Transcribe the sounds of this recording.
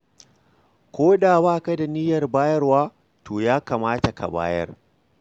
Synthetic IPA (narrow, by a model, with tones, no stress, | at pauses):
kʷoː˦ɗaː˨baː˦˨ka˦da˨nɪ˦jɐ˨rbaː˦jɐ˦rwaː˦ | tʰoː˨jaː˦kaː˨maː˦ta˨ka̰˨ba̰ː˦jɐ̰˦r